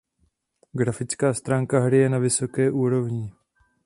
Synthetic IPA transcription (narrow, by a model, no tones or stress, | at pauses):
ɡɾafɪt͡skaːst̪ɾaːŋkaɦɽɪjɛnavɪsokɛːʔuːɾovɲɪ